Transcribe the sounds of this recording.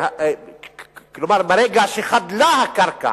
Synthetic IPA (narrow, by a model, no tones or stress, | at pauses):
klumaɾmɐɾeːɡaːsixɐd̪laːɦɐkɐɾka̰